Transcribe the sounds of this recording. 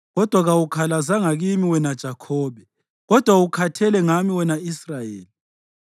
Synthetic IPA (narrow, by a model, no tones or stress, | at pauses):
ɣɔd̥ʱwaɣawukʰalazaŋaɣimiwɛnad̥ʒ̥ʱakʰɔːβɛ | ɣɔd̥ʱwaukʰatʰɛlɛŋamiwɛnaisrajḛːli